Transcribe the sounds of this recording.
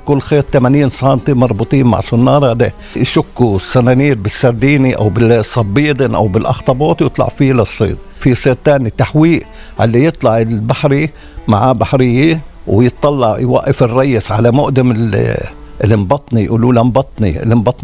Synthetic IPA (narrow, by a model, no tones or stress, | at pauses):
kʊlːxeːt̪̚t̪ːamaniːnsˤɑːnt̪ˤimɑɾˤbut̪ˤiːnma̰ʕsʊnːɑːɾˤɑd̪e | ʃʊkːusːanaːniːɾbɪsːɑɾˤd̪iːniʔa̰wbɪsˤːɑbːiːd̪ɪnʔa̰wbɪlʔɑ̰xt̪ˤɑbɑːt̪ˤwjɨt̪ˤlɑ̰ʕfilɑsˤːḭːd̪̚ | fisˤeːt̪̚t̪ːaːnit̪aħwiːʔ | ʕa̰lːijɨt̪ˤlɑʕɪlbaħɾi | ma̰ʕbaħɾɪjːiwjɪt̪ˤːɑlːɑʕjwa̰ʔːɪfɪrˤːɑjːɪsʕalamʊʔd̪amɪ | lɪmbɑt̪ˤnijʔṵːluːlambɑt̪ˤnḭlɪmbɑt̪ˤ